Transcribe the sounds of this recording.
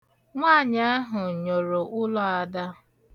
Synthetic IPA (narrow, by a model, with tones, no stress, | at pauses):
ŋʷa˦˨ɲa˦a˦ɦʊ˨ɲo˨ɾo˨ʔʊ˦lɔ˦a˨da˦